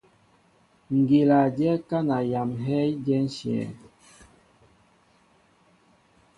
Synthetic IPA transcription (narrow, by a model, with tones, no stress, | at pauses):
ŋ˨ɡe˨la˨d͡ʒɛ˦ka˦na˨ja˨mɦɛ˦d͡ʒɛ˦n̩˦sjɛ̰˨